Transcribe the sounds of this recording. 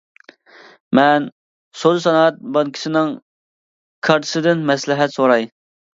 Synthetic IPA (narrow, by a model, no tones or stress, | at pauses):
mɛn | sod̪sɑnɑɛt̪̚bɑnkʲʰi̥sɪnɪŋ | kʰɑɾt̪ʰɨ̥sɨd̪ɪnmɛslɪɦɛt̪soɾɑj